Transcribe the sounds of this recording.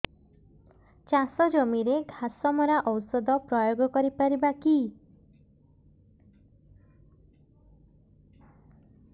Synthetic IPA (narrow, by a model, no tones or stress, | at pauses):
t͡ʃasɔd͡ʒomiɾeɡʱasɔmɔɾaʔɔwsɔd̪ɔpɾɔjoɡɔkɔɾipaɾibaki